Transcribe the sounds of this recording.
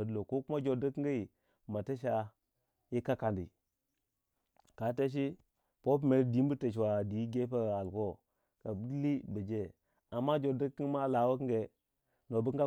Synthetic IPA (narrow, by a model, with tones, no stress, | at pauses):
ə˨dlo˨ko˦ku˦ma˦d͡ʒo˨də˦kɡa˦i˨ | ma˨ta˦ʃ̬a˦ | ji˦ka˦ka˨ndḭ˨ | ka˨te˦ʃ̬i˦ | po˦p̬me˨ɾdi˨˦m˦bu˦te˨t͡ʃ̬wa˨di˨˦ɡe˦pa˦a˨a˨lko˦ | ka˨bi˦li˦bə˨d͡ʒe˦ | a˨mːa˦d͡ʒo˨də˦kːi˦ma˦˨la˨˦wo˦kɡe˨ | no˨bə˦a˦